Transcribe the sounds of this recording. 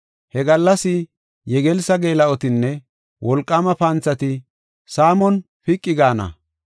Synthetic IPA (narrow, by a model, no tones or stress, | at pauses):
hɛɡɐlːɐsɪ | jɛɡɛlsɐɡe̞ːlɐʔɔt̪ɪnːɛ | wʔɔlkʼːamɐpɐnt͡sːɐt̪ɪ | saːmɔn | pɪkʼːɪɡaːnɐ̰